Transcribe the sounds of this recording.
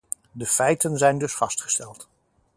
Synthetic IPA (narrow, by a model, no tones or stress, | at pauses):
dəfɛjtənzɛjndɵsfɑstχə̥stɛlˠt